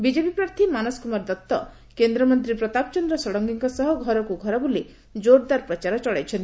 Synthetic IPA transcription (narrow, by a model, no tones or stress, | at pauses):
bid͡ʒepipɾaɾt̪ʰimanɔskumaɾd̪ɔt̪ːɔ | kend̪ɾɔmɔnt̪ɾipɾɔt̪apɔt͡ʃɔnd̪ɾɔsɔɽɔŋɡiŋkɔsɔɦɔɡʱɔɾɔkuɡʱɔɾɔbuli | d͡ʒoɾd̪aɾpɾɔt͡ʃaɾɔt͡ʃɔɭajt͡ʃʰɔnt̪i